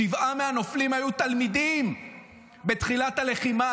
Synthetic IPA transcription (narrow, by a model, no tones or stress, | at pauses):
ivameanoflimhajut̪almid̪im | bet̪χilat̪ale̞χima